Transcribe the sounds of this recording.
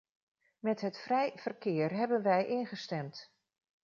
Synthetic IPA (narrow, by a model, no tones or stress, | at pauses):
mɛtɦətfrɛjv̥ərkɪːrɦɛbənʋɛjʔɪnχəstɛmt